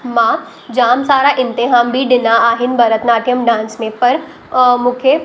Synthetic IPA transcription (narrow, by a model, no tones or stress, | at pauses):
mãː | d͡ʑaːmsaːɾaʔɪ̃nt̪ɪɦaːmbʱiɗɪnaaːɦɪnɪ̆bʱɐɾət̪naːʈɪjəmɖãːnsmẽpɐɾ | mũːkʰe